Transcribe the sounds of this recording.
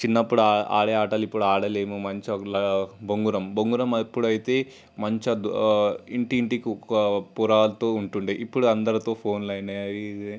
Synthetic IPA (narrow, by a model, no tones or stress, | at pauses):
t͡ʃinːɐpːuɽuaa̰ːɽɐaːʈɐlipːuɽuaːɽɐle̞ːmumɐɲt͡ʃɐlɐboŋɡuɾɐmboŋɡuɾɐmɐpːuɽuɐjit̪e̞ː | mɐɲt͡ʃɐd̪iɳʈiːɳʈikiɐpuɾaːlɐt̪oːuɳʈuɳɖiʔipːuɽuɐnd̪ɐɾɐt̪o̞ːpʰo̞ːnlɐjnɐi